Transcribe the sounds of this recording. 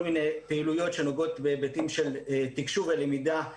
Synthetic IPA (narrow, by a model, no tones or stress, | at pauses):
lmine̞peilujo̞tʃe̞noɡo̞t̪bebetimʃe̞lt̪ikʃuvelemida